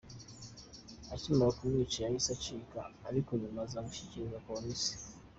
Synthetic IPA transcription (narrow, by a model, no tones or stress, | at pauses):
atimaakumit͡ʃijahisat͡ʃika̰ːɾikuɲumazamuʃi̥ciɾizakomisi̥